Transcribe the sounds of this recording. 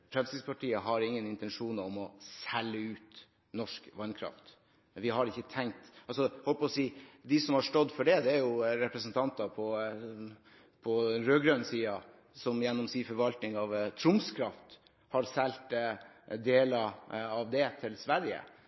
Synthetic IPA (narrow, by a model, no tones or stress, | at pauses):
p̪ʰɾɛlsɪspʰɑʈʰiːəɦɑɾɪŋːənɪnt̪ɛnʂuːnɔmɔsɛlːəʉːt̪ | nɔʂkʋɑnkʰɾɑ̰ft̪ | ʋɪɦɑɾɪçːət̪ʰɛŋt̪ɑlsɔhɔlppɔsiːd̪ɪsɔmhɑʂʈɔd̪ːfɔɖɛd̪ɛæɾjʊɾɛpɾəsənt̪ʰɑnt̪ɑpʰɔ | pʰɔɾøːɡɾœnsiːɑ | sɔmjɛnːɔmsiːfɔɾʋɑlt̪nɪŋɑʋt̪ʰɾʊmskʰɾɑft̪ | hɑɾsɛlt̪d̪eːlɑɑʋd̪ɛt̪ʰɪlsʋæɾjə̰